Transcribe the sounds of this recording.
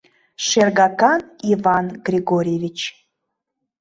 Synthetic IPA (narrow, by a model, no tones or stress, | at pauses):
ʃerɡɑkɑnivɑnɡrʲiɡoɾʲjevʲit͡ɕ